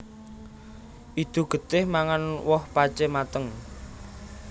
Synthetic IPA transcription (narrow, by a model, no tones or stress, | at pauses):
ʔit̪ṳɡ̥ə̤t̪ɪhmaŋanwɔhpat͡ʃɛmat̪əŋ